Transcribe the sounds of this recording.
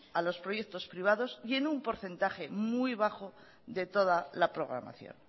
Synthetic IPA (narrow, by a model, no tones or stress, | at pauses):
alo̞spɾo̞jekt̪o̞spɾiβ̞aðo̞sje̞numpo̞ɾθe̞nt̪aχe̞mujβ̞axo | ðe̞t̪o̞ð̞alapɾo̞ɣɾa̰ma̰θjo̰n